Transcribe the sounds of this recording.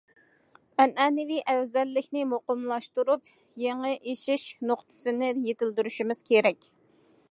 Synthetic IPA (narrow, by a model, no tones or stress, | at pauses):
ɛnɛːnɪviʔɛwzɛlːɪkʲnɪmoqʊmlˠɑʃt̪uɾup | jeŋɨʔeʃiʃnoqt̪ʰɨ̥sɨnɪjet̪ɪld̪yɾyʃimɪz̥kʲʰeɾɛkʲ